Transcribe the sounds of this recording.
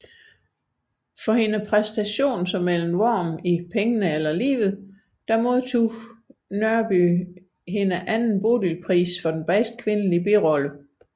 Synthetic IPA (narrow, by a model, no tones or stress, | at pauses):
fɒ̽he̝nəpʰʁɛsd̥æɕo̝̰ːnsɒ̽mːel̰m̩ʋɒ̰ːmipʰeŋənəelɐlḭːʋð̞̩ˠ | d̥ɑ̈moðˠt͡sʰṵ | nɶɐb̥y | ɦe̝nəʔænn̩b̥o̝ːd̥ilpʰʁḭːsfɒ̽d̥enb̥ɛsd̥̚kʰʋe̝nəlib̥iʁɒ̽lə